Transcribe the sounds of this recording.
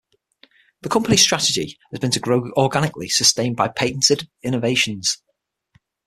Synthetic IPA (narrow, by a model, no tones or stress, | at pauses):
ðəkʰʊ̃mpənɪstɹ̥atɪd͡ʒɪ̰ | əzbɪ̃ntʰəɡɹoʊɔːɡanɪklɪsəstẽɪ̃nbaɪpʰeɪʔn̩tɪdɪ̃nəveɪʃə̃nz̥